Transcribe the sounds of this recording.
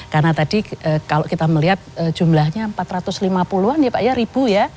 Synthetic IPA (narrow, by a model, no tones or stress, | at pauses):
karnat̪ad̥iəkaloʔkit̪aməliɦat̪̚ə̥d͡ʒ̥umlahɲaəmpat̪rat̪ʊslimapuluanjapaʔjaɾib̥uja